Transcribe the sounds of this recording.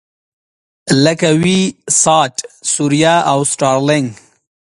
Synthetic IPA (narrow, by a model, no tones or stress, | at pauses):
ləkawisɑːʈsuɾijaawsʈɑːɾlɪŋɡ